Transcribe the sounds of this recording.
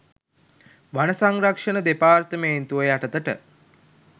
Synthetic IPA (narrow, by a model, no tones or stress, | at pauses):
ʋanəsaŋɾakʂənəd̪epaːrt̪əmeːnt̪uəjaʈət̪əʈə̰